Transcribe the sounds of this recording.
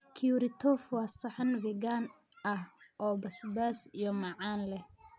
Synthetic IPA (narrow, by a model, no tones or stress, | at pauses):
kʰijuɾɪt̪ʰɔːfwɑːsɐħɑnvɛɡaːn | ʔɐhʔɔːbɐsbaːsijɔmɑʕɑːnlɛh